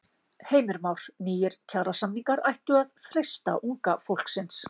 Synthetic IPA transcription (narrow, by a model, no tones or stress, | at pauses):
heːjmɪɾmawɾ̥niːjɪɾ̥cʰawɾasamniŋkaɾajht̪ʏaðfɾejst̪a̰ʔuŋkafowl̥ksɪns